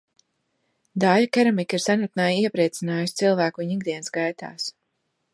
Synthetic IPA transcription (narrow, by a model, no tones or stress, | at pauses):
d̪aːʎkɛɾamikiɾsanat̪̚naːjiɛpɾiɛt̪sinaːjust̪silˠvæːkuɲiɡ̚d̪iɛnsɡajt̪a̰ːs